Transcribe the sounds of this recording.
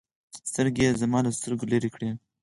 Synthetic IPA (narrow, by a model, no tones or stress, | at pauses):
st̪əɾɡezamɑləst̪əɾɡoleɾekɽe